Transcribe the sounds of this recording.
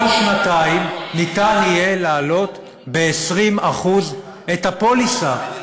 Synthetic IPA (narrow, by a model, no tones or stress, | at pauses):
ʃnat̪aimnit̪anije̞laːlo̞t̪ | beesʁimaχuz | ethapo̞lisa